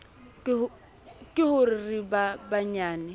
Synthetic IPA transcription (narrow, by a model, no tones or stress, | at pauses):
kʼɪhʊrɪribabaɲaːnɪ